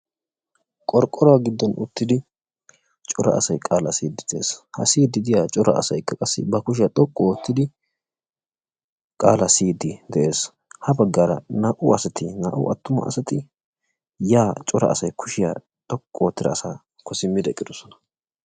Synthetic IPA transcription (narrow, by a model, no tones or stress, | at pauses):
kʼɔɾkʼːɔɾɔwaɡɪd̪ːɔnʊ̰t̪ːɪd̪ɪ | t͡ʃʼɔɾɐ̰ɐ̰sɐjkʼaːlɐsiːd̪ɪd̪̥ɛeːshɐ̰siːd̪ːɪd̪ɪjat͡ʃʼɔɾɐ̰ɐ̰sɐjkːɐkʼɐsːɪbɐkʊʃ̬ɪjɐt̪ʼɔkʼːɔwɔt̪ːɪd̪ɪ | kʼaːlɐsiːd̪ɪd̪ɛʔe̞ːs | hɐbɐɡːaɾɐ̰naːʔʊɐsɐt̪ɪna̰ːʔʊ̰ɐt̪ːʊmɐ̰ɐ̰sɐt̪ɪ | jaːt͡ʃʼɔɾɐ̰ʔɐ̰sɐjkʰʊʃɪja̰ | t̪ʼɔkʼːɔwɔt̪ːɪd̪ɐ̰ːsaː | kɔsɪmːɪd̪ɛkʼɪd̪ɔsɔnɐ̥